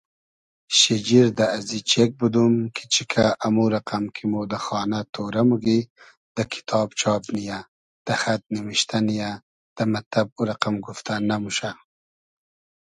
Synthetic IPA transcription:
ʃed͡ʒiɾd̪aːzit͡ʃek̚bud̪umkʰi̥t͡ʃikʰaʔamuɾaqamkʰimud̪əxɑːnat̪oɾamuɡi | d̪̥əkʰi̥t̪ʰɑːbt͡ʃʰɑːbnija | d̪̥əxat̪̚nimiʃt̪ʰanija | d̪̥əmat̪ab̚uɾaqamɡuft̪anamuʃa

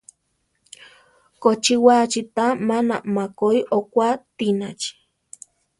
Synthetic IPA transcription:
kot͡ʃiwat͡ʃit̪amanamakojʔokʷat̪inat͡ʃi̥

